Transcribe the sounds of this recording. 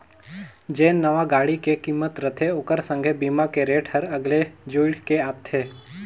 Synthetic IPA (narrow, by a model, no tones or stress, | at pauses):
d͡ʒeːnːəʋaɡaːɽikekiːmːət̪ɾət̪ʰeʊkəɾsə̃ŋɡʱebiːmakeɾeːʈʰhəɾɐɡled͡ʒuɪɽkeaːt̪ʰːeː